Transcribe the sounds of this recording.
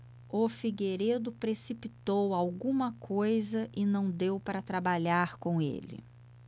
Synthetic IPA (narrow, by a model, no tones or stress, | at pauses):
ʊfiɡeɾed̪ʊpɾesipit̪owawɡũmɐkʰojzɐʔɪnɐ̃w̃d̪ewpaɾɐt̪ɾabaʎaɾkõw̃ḛlɪ̰